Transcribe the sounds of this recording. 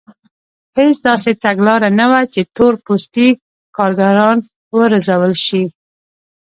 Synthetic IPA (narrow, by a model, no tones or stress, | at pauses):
het͡sd̪ɑset̪aɡlɑɾanawat͡ʃet̪oɾpost̪i | kɑɾɡaɾɑn | wəɾazawəlʃi